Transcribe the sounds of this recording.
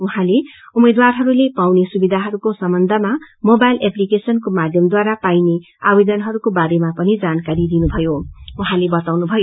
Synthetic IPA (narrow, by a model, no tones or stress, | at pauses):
uɦãleumed̪warɦʌɾulepawnesubid̪ʱaɦʌɾukosʌmbʌnd̪ʱʌmamobajleplikesʌnkomad̪ʱjʌmd̪waɾapajne | abed̪ʌnɦʌɾukobaɾemapʌnid͡zankaɾid̪inubʱʌjouɦãlebʌt̪awnubʱʌj